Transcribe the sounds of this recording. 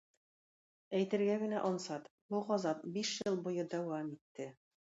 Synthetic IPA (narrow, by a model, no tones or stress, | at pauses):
æjt̪ɘ̆ɾɡæɡɘ̆næʔɒnsɑt̪buʁɑzɑp̚biʃjɤlˠbujɤd̪æwɑmit̪ːɘ